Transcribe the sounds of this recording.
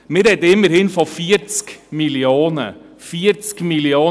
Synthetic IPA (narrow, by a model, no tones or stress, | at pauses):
meɾɛd̪ɪməɾhɪnfɔfiːɾskmɪlɪoːnə | fiːɾt̪skmɪlɪoː